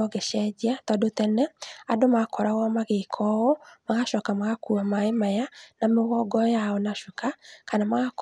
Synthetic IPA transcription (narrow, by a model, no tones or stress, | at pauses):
ɔɣeʃɛd͡ʒiatɔdotɛnɛadomakʰɔɾaɣɔmaɣekʰɔɔmaɣaʃɔːkamaɣakuamaemajanameɣɔɡɔjaɔnaʃukakanamaɣak